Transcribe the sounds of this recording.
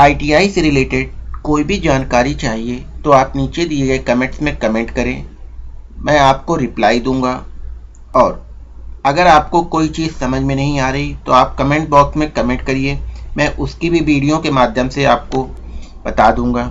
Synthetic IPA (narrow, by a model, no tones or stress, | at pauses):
aːiʈiːaːiseɾɪleːʈeɖ̚koːibʱid͡ʒaːnkaːɾit͡ʃaːɦiet̪oaːpniːt͡ʃed̪iːeɡɐekɐmẽʈsmẽkɐmẽːɳʈkɐɾẽː | mɛ̃ːaːp̚koɾɪplaːid̪ũːŋ̆ɡaː | ɔːɾ | ɐɡəɾaːpkokoːit͡ʃiːzsɐməd͡ʒʱmẽnɐɦĩaːɾɐɦit̪oaːp̚kɐmẽːɳʈ̚bɔːksmẽkɐmẽːɳʈkɐɾiemɛ̃ːʔʊskibʱiʋiːɽijõkemaːd̪ʱjəmseaːp̚ko | bɐt̪ad̪ũːŋɡaː